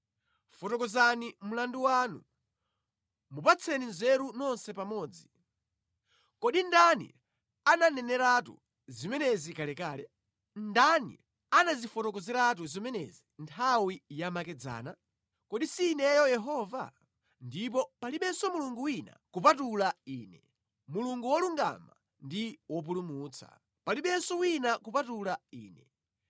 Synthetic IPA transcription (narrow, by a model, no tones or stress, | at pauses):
fɔtɔkɔzanimulanduwaːnṵ | mupat͡sʰɛninzɛɾunɔnsɛpamɔːd͡zi | kɔɗindanḭ | ananɛnɛɾatṵ | zimɛnɛzikalɛkaːlɛ | ndanḭ | anazifɔtɔk̬ɔzɛɾat̬uzimɛnɛ̰zintʰawijamakɛd͡za̰ːna | kɔɗisiːnɛjɔjɛɦɔːva̰ | ndip̬ɔpaliɓɛnsɔmuluŋɡuwina̰kupatulaiːnɛ | muluŋɡuwɔluŋɡa̰ma̰ | ndiwɔp̬ulumuːt͡sʰḁ̰ | paliɓɛnsɔwinakupatulaḭːnɛ